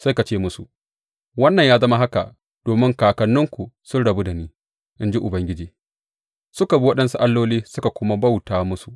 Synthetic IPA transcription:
sa˦jka˨t͡ʃeː˦mʊ˦su˨ʔ | wɐ˦nːɐ˨ɲjaː˦zɐ˦ma˦ɦa˦ka̰˨ | d̥oː˨mɪ˦ŋkaː˨kɐ˨nːʊ˦ŋkʷu˨sʊ˦nɽɐ˨bu˦da˨niː˦ | ʔɪ˦nd͡ʒi˦ʔʊ˨bɐ˦ŋɡʲɪ˦d͡ʒiː˨ | sʊ˦ka˨bi˦wɐ˦ɗɐ˦nsu˦ʔa˦lːoː˦liː˦sʊ˦ka˨kʷʊ˦ma˦ba˦wtaː˦mʊ˦su˨ʔ

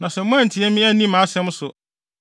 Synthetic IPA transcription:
nã˨sɛ˨mʊ̃˦æ̃˦˨n̩˨tʰɪ˨˦ɛ˦mĩ˦æ˦nĩ˦mã˨˦sɛ̃˦m˦sʊ˨

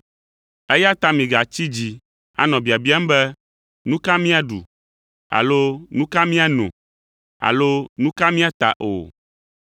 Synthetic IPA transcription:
e˦ja˦t̪a˦mĩ˨ɡa˨t͡ɕi˦d͡ʑi˨ | a̰˦nɔ̃˨bi˨a˨bi˦a˦m˦bɛ˦ | nũ˦ka˦mĩ˦a˨ɖṵ˨ | a̰˨lo˦nũ˦ka˦mĩ˦a˦nṵ̃˨ | a̰˨lo˦nũ˦ka˦mĩ˦a˦t̪a̰˨ʔo̰˨

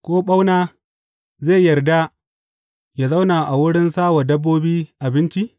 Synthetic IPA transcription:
kʷoː˦ɓa˦wnaː˦ | zeː˦˨jɐ˨rda˦ | ja˨za˦wnaː˨ʔa˨wʊ˦ɽɪ˦nsaː˦wa˨dɐ˦bːoː˦biː˦ʔa˨bɪ˦nt͡ʃi˦

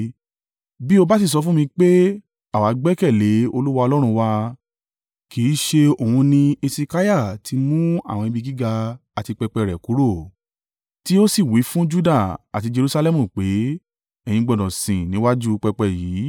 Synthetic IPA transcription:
bi˦o˧ba˦s̬i˦˨s̬ɔ˧fũ˦mĩ˧k͡pe˦ | a˨wa˨˦ɡ͡bɛ˦kɛ˦˨le˨˦o˧lu˦wa˧ɔ˧lɔ˦ɾ̃ũ˧wa˧ | ki˨˦ʃe˧o˨hũ˧nĩ˧e˧si˧ka˦ja˦˨tʰi˧˦mũ˦a̰˦˨w̃ɔ̃˧i˧bi˧ɡi˦ɡa˧a˨ti˧k͡pɛ˧k͡pɛ˧˨ɾɛ˨ku˨˦ɾo˦˨ | ti˦o˦si˦˨wi˨˦fũ˦d͡ʒu˦da˦˨a˨ti˧d͡ʒe˧ɾu˧sa˧lɛ˦mũ˦˨k͡pe˨˦ | ɛ˦˨j̃ĩ˧ɡ͡bɔ˨dɔ̃˨sĩ˨nĩ˨˦wa˦d͡ʒu˦k͡pɛ˧k͡pɛ˦˨jiː˨˦

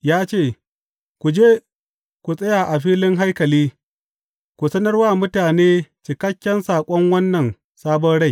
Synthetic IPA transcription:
jaː˦t͡ʃeː˦˨ | kʷu˨d͡ʒeː˦ | kʷu˨sʼɐ˦jaː˨ʔa˨ɸiː˦lɪ˦ŋɦa˦jkɐ˨liː˦ | kʷu˨sɐ˦nɐ˦rwaː˦˨mʊ˦taː˨neː˦t͡ʃɪ˨kɐ˦kʲːɐ˦nsaː˨kʷʼɔ˦ŋwɐ˦nːɐ˨n | saː˦bɔ˦nɽa˦˨j

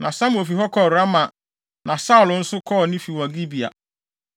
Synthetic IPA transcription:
nã˨sã˦mʊ˨o˨fi˨ɦɔ˦kʰɔ˦˨ɾa˦ma˨ | nã˨sa˦ʊ˨lʊ̃˨n̩˦sʊ˦kʰɔ˦˨nĩ˦fi˨wɔ̃˨ɡi˦bi˨a̰˨

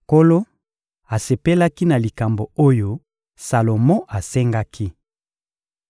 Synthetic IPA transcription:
ko˦lo˦ | a˨se˨pe˦la˦ki˦na˨li˨ka˨mbo˨o˦jo˦ | sa˨lo˨mɔ̃˦ʔa˨se˦ŋɡa˦kʰi˦

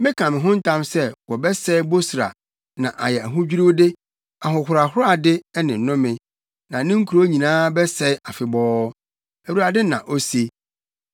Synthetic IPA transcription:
mɪ̃˦kʰã˨mɪ̃˨ɦʊ̃˦n̩˦tʰã˦msɛ˦wɔ˨bɛ˦sɛ˦bo˦sɾa̰˨ | nã˨ʔa˨jɛ˨æ˨ɦʊ̃˦d͡ʑᶣi˦ɾu˦dɪ˦ | a˨ɦʊ̃˨hʊ˨ɾa˨hʊ˦ɾa˨dɪ˦nɪ̃˨n̩˨nʊ̃˦mɪ̃˨ | nã˨˦nɪ̃˦ŋ̩˦kʰu˨ɾo˦ɲĩ˨nãː˦bɛ˦sɛ˦a˨fɪ˨bɔː˦ | æ˨wu˨ɾa˨dɪ˦nã˨ʔo˦se˦

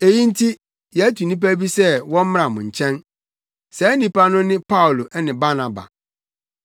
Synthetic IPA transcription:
e˨jĩ˦n̩˦tʰi˦ | jɛ˨˦æ˦tu˨nĩ˦p̬æ˦bi˦sɛ˦wɔ̃˦m̩˦m˦ɾã˨mʊ̃˨ɲ̩˨t͡ɕʰɛ̃˦n | sɛ˨˦nĩ˦pa˦nʊ̃˦nɪ̃˦pa˦u˨lo˨ʔnɪ̃˨ba˦na˨ba̰˨

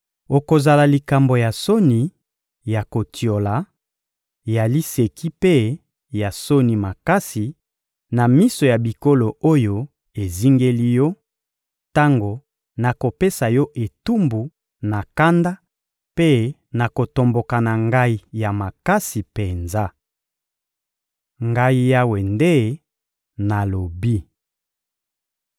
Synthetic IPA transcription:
o˨ko˨za˨la˨li˨ka˨mbo˨ja˨so˦ni˨ | ja˨ko˨tʰjo˨la˨ | ja˨li˦se˨kʰi˦pe˦ | ja˨so˦ni˨ma˨ka˦si˨ | na˨mi˦so˨ja˨bi˨ko˦lo˨o˦jo˨ | e˨zi˦ŋɡe˦li˦jɔ˦ | ta˦ŋɡo˨ | na˨ko˨pe˦sa˨jɔ˦ʔe˨tu˦mbu˨ | na˨ka˦nda˦ | pe˦ | na˨ko˨to˨mbo˨ka˨na˨ŋɡa˦i˦ja˨ma˨ka˦si˨pe˨nza˦ | ŋɡa˦i˦ja˦we˨nde˦ | na˨lo˨bi˦

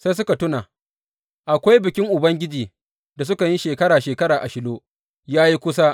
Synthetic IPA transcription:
sa˦jsʊ˦ka˨tʊ˦naː˨ | ʔa˨kʷa˦jbɪ˨kʲɪ˦ŋʔʊ˨bɐ˦ŋɡʲɪ˦d͡ʒiː˨ | da˨s̬ʊ˦ka˨ji˦ʃeː˨kɐ˦ɽaː˨ʃeː˨kɐ˦ɽaː˨ʔa˨ʃɪ˦loː˦ | jaː˦ji˦kʷʊ˦sa˦

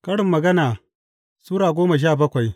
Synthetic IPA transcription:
kɐ˦ɽɪ˨mːɐ˨ɡɐ˦naː˨ | suː˦ɾaː˨ɡʷoː˦ma˨ʃ̬aː˦˨bɐ˦kʷa˨j

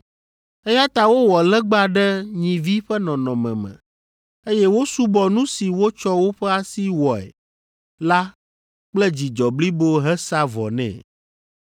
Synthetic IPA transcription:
e˦ja˦t̪a˦wo˦wɔ˨lɛ˦ɡ͡ba˦ɖɛ˦ɲĩ˨vi˦ɸɛ˦nɔ̃˨nɔ̃˨mɛ̰̃˨mɛ̰̃˨ | e˦jɛ˦wo˦su˦bɔ˨nũ˦si˨wo˦t͡ʃɔ˦wo˦ɸɛ˦a˦si˦wɔ˨ɛ̰˨ | la˦ | k͡plɛ˦d͡ʑi˨d͡ʒɔ˨bli˦bo˦ɦɛ˦sa˦vɔ̰˨nɛ̰̃˨

